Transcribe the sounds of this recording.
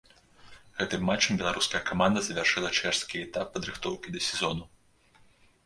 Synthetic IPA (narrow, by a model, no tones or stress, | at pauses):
ɣɛt̪ɨmːat͡ʂːɐmbʲɛlˠaɾuskɐjɐkamand̪ɐzɐvʲarʂɨlˠɐt͡ʂɛʂskʲiɛt̪apːɐd̪ɾɨxt̪ɔwkʲid̪ɐsʲɛzɔnu